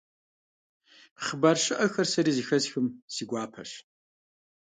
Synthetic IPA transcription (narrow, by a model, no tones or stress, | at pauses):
χəbarʂɨʔɐxɐrsɐɾiːzixɐzxɨmsiɡʷaːpʰɐ̰ʂ